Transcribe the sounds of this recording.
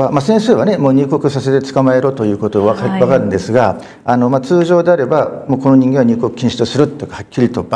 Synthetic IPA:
amasẽ̞ɰ̃sɨːβane̞moːɲ̟ɨːko̞kɯ̟sase̞t̪e̞t͡sɨ̥kamae̞ɾo̞t̪o̞jɯ̟ːko̞t̪o̞oβakaβakaɾɯ̟̃nd̪e̞sɨɡa | ano̞mat͡sɨːʑo̞ːd̪e̞aɾe̞bamoːko̞noɲ̟ĩŋɡẽ̞aɲʲɨːko̞kɯ̟kʰʲĩɕi̥t̪osɨɾɯ̟t̪ekahakʲːiɾʲit̪o̞b

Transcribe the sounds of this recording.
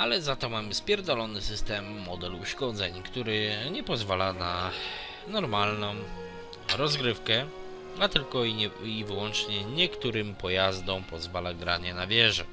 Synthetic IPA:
alɛzat̪ɔmamɘspʲjɛɾd̪ɔlɔnɘsɘst̪ɛmːɔd̪ɛluʂkɔd̪zɛɲkt̪uɾɘɲɛpɔzvalana | nɔɾmalnɔ̃w̃ | ɾɔzɡɾɘfkɛ | at̪ɘlkɔiivɘwɔnt͡ʂɲɛɲɛkt̪uɾɘmpɔjazd̪ɔ̃w̃pɔzvalaɡɾaɲɛnavʲjɛʐɛ

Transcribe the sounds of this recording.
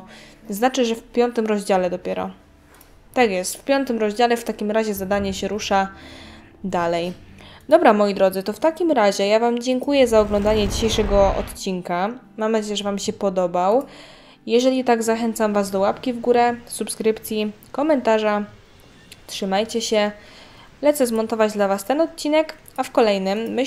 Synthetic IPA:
znat͡ʂɘʐɛfpʲjɔnt̪ɘmɾɔʑd͡ʑalɛd̪ɔpʲjɛɾɔ̰ | t̪akjɛst̪fpʲjɔnt̪ɘmɾɔʑd͡ʑalɛft̪akʲimɾaʑɛzad̪aɲɛɕɛɾuʂa | d̪alɛjd̪ɔbɾamɔjid̪ɾɔd̪zɘt̪ɔft̪akʲimɾaʑɛjavamd͡ʑɛŋkujɛzaɔɡlɔnd̪aɲɛd͡ʑiɕejʂɛɡɔɔ̰t̪t͡ɕiŋka | mamnad͡ʑejɛʐɛvamɕɛpɔd̪ɔbaw | jɛʐɛlʲit̪aɡzaxɛnt̪samvazd̪ɔwapkʲivɡuɾɛsupskɾɘpt̪sʲji | kɔmɛnt̪aʐa | tʂɘmajt͡ɕɛɕɛ | lɛt̪sɛzmɔnt̪ɔvad͡ʑd̪lavast̪ɛnɔt̪̚t͡ɕinɛk | afkɔlɛjnɘmːɘ

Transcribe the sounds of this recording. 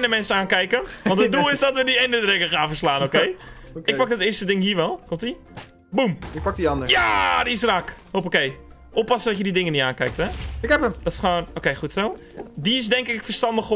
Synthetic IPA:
nəmɛnsəaːnkɛjkənʋɑntədulˠɪsdɔtʋədiejndədrɛkəχaːnfərslaːnokejɪk̚pɑkdətɪəstədɪŋɦiːʋɛlˠkomti | bumɪk̚pɑk̚diɑndəjadiɪsrakhop̬okej | ʔopɑsəndɔtjədidɪŋənitaːnkɛjk̚tɛɪkhɛpəmd̥ɔtɪ̥sχəʋoːnokejχutso | diɪs̬dɛŋkɪkfərstɑndəχ

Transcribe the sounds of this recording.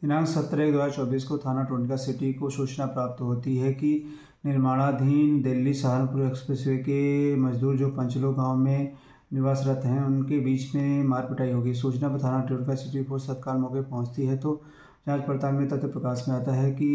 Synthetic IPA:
ɪnãːnsɐt̪ːɾeːk̚d̪aɾt͡ʃɔːbiːskot̪ʰaːnaʈoːɳʈkasɪʈikosuːt͡ʃnapɾaːp̚t̪ɦoːt̪iɦɛki | nɪɾmaːɭ̃ad̪ʱiːnd̪elːisaɦəɾmpʊɾekspɾesʋekemɐd͡ʒd̪uːɾd͡ʒoːpɐ̃ɲt͡ʃloɡãːwmẽ | nɪʋaːsɾɐt̪ɦɛ̃ʊnkebiːt͡ʃmẽmaːɾpɐʈaːiɦoːɡisuːt͡ʃnakət̪ʰaːnaʈoːʈkasɪʈiposɐd̪kaːlmɔːkepɐɦʊ̃t͡ʃt̪iɦɛt̪o | d͡ʒãːd͡ʒpɐɽt̪aːkmẽt̪ɐt̪epɾɐkaːʃmẽaːt̪aɦɛki

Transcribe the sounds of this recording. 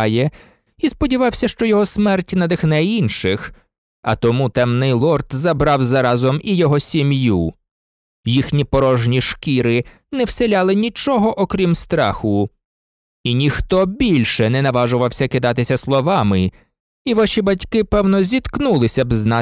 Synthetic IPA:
jɛ | ispɔdʲiʋɑwsʲɐʃt͡ʃɔjɔɦɔsmɛrtʲnɐd̪ɪxnɛinʃɪx | ɐ̰t̪ɔmut̪ɛmnɪjlˠɔrt̪zɐbɾɑwzɐɾɑzɔmijɔɦɔsʲimju | jixnʲipɔɾɔʒnʲiʃkʲiɾɪ | nɛwselʲalˠɪnʲit͡ʃɔɦɔʔɔkɾʲimst̪ɾɑ̰xʊ | inʲixt̪ɔbʲilʲʃɛnɛnɐʋɑʒʊʋɐwsʲɐkɪd̪ɑt̪ɪsʲɐslˠɔʋɑmɪ | iʋaʃibɐtʲkɪpɛwnɔzʲit̪knulˠɪsʲɐbznɑ

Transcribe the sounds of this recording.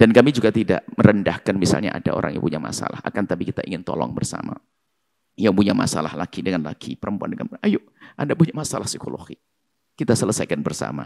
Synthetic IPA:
d̥ankamid͡ʒuɡat̪ida̰ʔməɾəndahkanmisa̰lɲaʔadaʔo̰ɾa̰ŋjaŋpuɲama̰sa̰laha̰kant̪abikit̪aʔiŋɪnt̪ɔlɔ̰ŋbərsa̰ma | jaŋpuɲama̰salahlakidəŋanlaɡipəɾəmpuandəŋanajʊʔʔandapuɲamasalahsikoloɡi | kit̪asələsajkanbərsa̰ma̰

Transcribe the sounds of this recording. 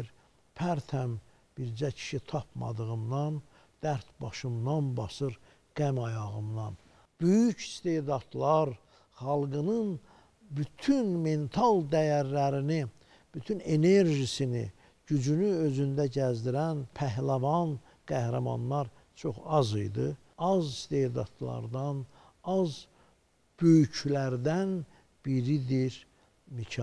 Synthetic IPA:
ɾ | pʰæɾt̪ʰæm | b̥iɾd͡ʒæcʰi̥ʃit̪ʰɑp̚ʰmɑ̰d̪ɯʁɯmd̪ɑn | d̪̥æɾt̪bɑʃɯmd̪ɑnbɑsɯɾ | ɡ̥æmɑjɑɣɯmd̪ɑn | b̥øjyci̥st̪e̞d̪ɑt̪lˠɑɾ | χɑlˠɡɯnɯn | byt̪ʰynme̞nt̪ʰɑlˠd̪æjæɾlæɾini | b̥yt̪ʰyne̞ne̞ɾʒisinḭ | ɟyd͡ʒynyø̞zynd̪æɟæzd̪iɾænpʰæɦlævɑn | ɡ̥æhɾɑmɑ̰nːˠɑɾ | t͡ʃʰo̞χɑzɯ̰jd̪ɯ | ɑzist̪e̞hd̪ɑ̰t̪lˠɑ̰ɾd̪ɑn | ɑz | b̥øjycʰlæɾd̪æn | b̥iɾid̪iɾ | micʰɑ

